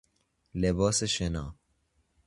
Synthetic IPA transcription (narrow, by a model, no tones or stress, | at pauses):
leboːseɕena̰ː